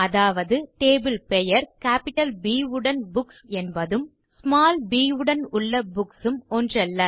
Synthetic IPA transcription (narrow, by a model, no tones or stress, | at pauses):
ɐðaːʋɐðɯʈeːbɪlpɛjɐɾkaːpɪʈɐlbiːɯɽɐnbʊksɛnbɐðɯm | smaːlbiːɯɽɐnʊɭːɐbʊksɯmɔndrɐlːɐ